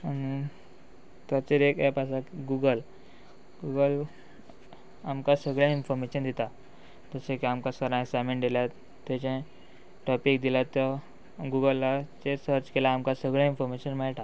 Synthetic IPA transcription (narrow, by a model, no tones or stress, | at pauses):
ami | t̪at͡ɕeɾekɛpasakɡuɡəl | ɡuɡəl | amkasəɡɭjãinfɔɾmeɕənd̪it̪a | d͡z̪əsẽkiamkasəɾãesameɳd̪iljat̪ | t̪ːet͡ɕẽ | ʈɔpikd̪ilat̪ːə | ɡuɡəlːat͡ɕesəɾt͡ɕkelaːmkasəɡɭɛ̃infɔɾmeɕənmɛɭʈa